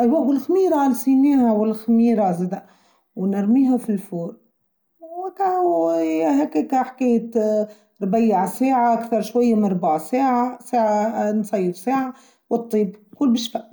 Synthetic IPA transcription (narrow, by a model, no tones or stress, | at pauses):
ʔɪlwæbɪlxmiːɾˤɑnsˤiniːhæwɪlxmiːɾazæd̪æ | wnəɾˤmiːɦafilfuːɾ | wka | ɦækkaħkæjt̪ | ɾˤbajːaʕsaːʕaʔakθɑɾˤʃwajːamɪnɾˤbaʕsaːʕasaːʕansˤɑjːəfsaːʕa | wət̪ˤːiːbkʊlːbiʃfaʔ